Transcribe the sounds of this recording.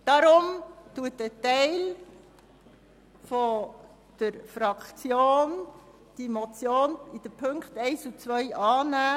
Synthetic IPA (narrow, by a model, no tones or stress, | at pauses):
d̥ɑɾʊmtuətətɛɪl | fo | d̥əɾfɾɑkt͡sjoːn | d̥imɔt͡sjoːnid̥əpʰɵŋkχtɛɪsut͡sʋœʏʔɑːnæː